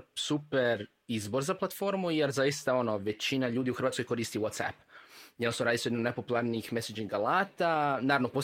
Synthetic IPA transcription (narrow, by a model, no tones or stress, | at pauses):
supeɾ | izbo̞ɾzaplˠat̪fo̞ɾmujeɾzajist̪ao̞no̞ʋe̞t͡ɕinaʎuːd̪iuxɾʋaːt̪kojko̞ɾiːst̪iwot̪sa̰pjenosoɾaːd̪isujend̪napo̞pulˠaɾniːxmesad͡ʒiŋɡalaːt̪anaːɾaʋnopo